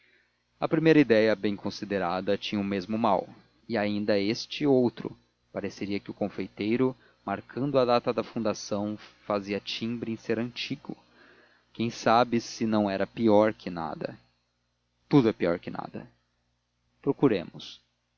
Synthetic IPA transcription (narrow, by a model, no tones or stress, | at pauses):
ɐ̰pɾimejɾɐid̪ɛjɐbẽj̃kʰõsid̪eɾad̪ɐt͡ʃĩɲɐʊmezmʊmaw | ɪaĩnd̪ɐest͡ʃɪowt̪ɾʊ̰ | paɾeseɾiɐkɪʊkõfejt̪ejɾʊ | maɾkʰɐ̃nd̪ʊɐd̪at̪ɐd̪ɐfũnd̪asɐ̃w̃faziɐt͡ʃĩbɾɪẽseɾɐ̃t͡ʃiɡʊ̰ | kẽj̃sabɪsɪnɐ̃w̃ɛɾɐpiɔɾkɪna̰d̪ɐ̰ | t̪ud̪ʊɛpiɔ̰ɾkɪna̰d̪ɐ̰ | pɾokuɾḛ̃mʊs